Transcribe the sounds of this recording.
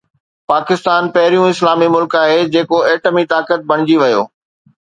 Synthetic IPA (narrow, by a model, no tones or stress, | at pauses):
paːkɪst̪aːnpɐɦɪɾijũɪslaːmimʊlkaːɦeːd͡ʑeːkoeːʈəmit̪aːkət̪̚bʱɐɽ̃ɪd͡ʑiʋɐjo̰ː